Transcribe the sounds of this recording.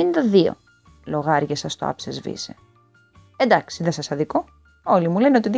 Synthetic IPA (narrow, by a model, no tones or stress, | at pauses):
inet̪ɐðio̞̰ | lo̞ɣɐɾʝɐsɐst̪oɐ̰psezvḭzḛ | e̞nd̪ɐksiðesɐsɐðiko̞ | o̞limule̞neo̞t̪iði